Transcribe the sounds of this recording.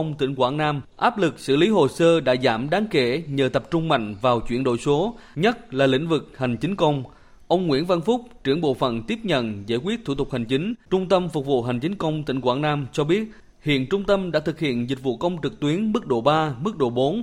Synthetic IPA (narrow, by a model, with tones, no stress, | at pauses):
ə˧wŋ͡mt̪ï˧˩ŋ̟kwaː˧˩nnaː˧mʔaː˦˥p̚lɨ˨˩k̚sɨ̰˧˩li˨˦ɦo˨˩səː˧ɗa̰ː˧˥zaː˧˩mɗaː˨˦ŋke˧˩ɲəː˨˩t̪ə˨˩p̚t͡ɕʊ˧ŋ͡mma̰˧˨jŋ̟vaː˨˩wt͡ɕwi˧˩ənɗo̰˧˨jso˨˦ɲə˦˥t̚laː˨˩lḭ̈˧˥ŋ̟vɨ˨˩k̚ha˨˩ŋ̟t͡ɕï˨˦ŋ̟kə˧wŋ͡m | ʔə˧wŋ͡mŋwi˧˥ənva˧nfʊ˦˥k͡p̚t͡ɕɨ˧˩əŋɓo̰˧˨fə̰˧˨nt̪i˦˥əp̚ɲə̰˧˨nza̰ː˧˥jkwi˦˥ət̚t̪ʰu˧˩t̪ʊ˨˩k̚ha˨˩jŋ̟t͡ɕï˨˦ŋ̟t͡ɕʊ˧ŋ͡mt̪ə˧mfʊ˨˩k͡p̚vṵ˧˨ɦa˨˩ŋ̟t͡ɕi˨˦ŋ̟kə˧wŋ͡mt̪ï˧˩ŋkwaː˧˥˩nnaː˧mt͡ɕɔ˧ɓi˦˥ət̚ | hḭ˧˨ənt͡ɕʊ˧ŋ͡mt̪ə˧mɗa̰ː˧˥t̪ʰɨ˨˩k̚hḭ˧˨ənzi˨˩t̚vṵ˧˨kə˧wŋ͡mt͡ɕɨ˨˩k̚t̪wi˨˦ənmɨ˦˥k̚ɗo˧˩ɓaː˧mɨ˦˥k̚ɗo˧˩ɓo˨˦n